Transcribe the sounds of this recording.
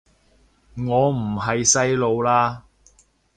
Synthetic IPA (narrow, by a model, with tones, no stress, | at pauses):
ŋɔː˨˧m̩˨˩ɦɐ˨jsɐ˥jlo˨˧wlaː˧˥